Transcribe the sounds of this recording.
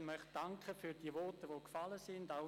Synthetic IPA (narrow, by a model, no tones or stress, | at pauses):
nmœχtd̥aŋkχəfyːɾd̥iːʋɔrtəʋoːkfaləsɪndaʊ